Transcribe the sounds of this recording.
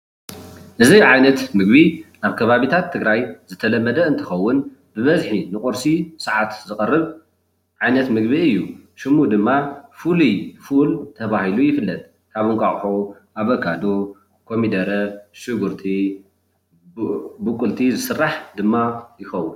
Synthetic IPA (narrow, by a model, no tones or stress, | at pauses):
ʔɨzijʕajnɐt̪mɨɡ̚biʔaβkʰɐβaβit̪ʰat̪ʰːɨɡɾajzɨt̪ʰɐlɐmːɐd̪ɐɨnt̪ʰɨxɐwːʊn | bɨβɐzħinɨkʼoɾsisɨʕat̪zɨkʼɐrːɨβ | ʕajnɐt̪mɨɡbiɨjːuʃɪmud̪ɨmːafulijfult̪ʰɐβahilujɪfɨlːɐt̪̚ʼ | kʰaβɨŋkʼaχʼħo | ʔaβɐkʰad̪o | kʰomid̪ɐɾɐʃɨɡuɾt̪ʰi | bɨkʼːʊlt̪ʰizɨsɨrːaħd̪ɨmːajɪxɐwːʊn